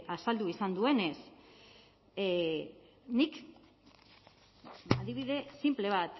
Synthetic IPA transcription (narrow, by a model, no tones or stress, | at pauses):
asald̪uisand̪ue̞ne̞s | nik | aðiβ̞iðe̞simple̞β̞at̪